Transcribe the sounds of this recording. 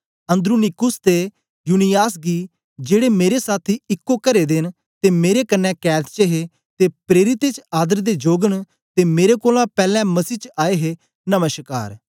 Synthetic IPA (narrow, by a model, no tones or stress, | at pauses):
ə̃nd̪ɾuːnɪkʊst̪eː | juːnɪjaːsɡiː | d͡ʒeːɽemeːɾesaːt̪ʰiːɪkːokəɾeːd̪ɪn | t̪eːmeːɾekənːɛ̃ːkɛːt̪t͡ʃəɦe | t̪eːpɾeːɾɪt̪et͡ʃaːd̪əɾd̪ed͡ʒoːɡəɳ | t̪eːmeːɾekoːlãpɛːlɛ̃ːməsiːt͡ʃaːeːɦeː | nəməʃka̰ːɾ